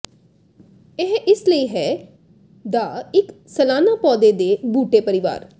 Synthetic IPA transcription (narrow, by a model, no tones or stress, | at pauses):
ɪɦɪsləiːɦɛː | d̪aːɪksəlaːnaːpɔːd̪eːd̪eːbuːʈeːpəɾɪʋa̰ːɾ